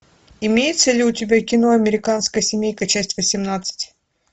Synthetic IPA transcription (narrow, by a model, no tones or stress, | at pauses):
ɪmʲejɪt̪səlʲɪʊtʲɪbʲakʲɪnoɐmʲɪɾʲɪkanskəjsʲɪmʲejkɐt͡ɕæsʲtʲvəsʲɪmnat̪sɨ̥tʲ